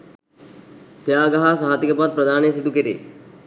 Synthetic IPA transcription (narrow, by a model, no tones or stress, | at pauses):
t̪jaːɡɐɦasɐɦaːt̪ikɐpaːd̪̚pɾɐd̪ʱaːnesid̪ukeɾḛː